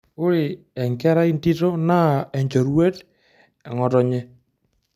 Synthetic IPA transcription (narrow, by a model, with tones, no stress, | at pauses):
ʊ˦ɾɪ˨ | ɛ˨ŋɡɛ˦ɾa˦i˦nti˦tɔ˦na˦ɛ˨ɲd͡ʒɔ˨ɾwe˦t | ɛ˨ŋɔ˨tɔ˨ɲɛ˦